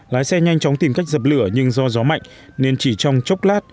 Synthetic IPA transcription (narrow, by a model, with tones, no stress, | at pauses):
laː˨˦jsɛ˧ɲa˧jŋ̟t͡ɕɔ˨˦wŋ͡mt̪i˨˩mka˦˥jk̚zə˨˩p̚lɨ˧˩əɲɨ˧ŋzɔ˧zɔ˨˦ma̰˧˨jŋ | ne˧nt͡ɕi˧˩t͡ɕɔ˧wŋ͡mt͡ɕə˦˥wk͡p̚laː˦˥t̚